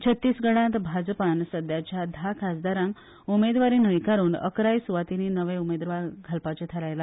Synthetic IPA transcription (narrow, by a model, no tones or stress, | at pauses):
t͡ɕʰət̪ːiːsɡəɽ̃ãt̪bʱad͡zpansəd̪jat͡ɕjad̪ʱakʰasd̪aɾãŋk | umed̪ʋaɾiːnəʋikaɾuːnə̰kɾajsuʋat̪ininəʋeumed̪ʋaɾɡʱəlpat͡ɕet̪ʰəɾajla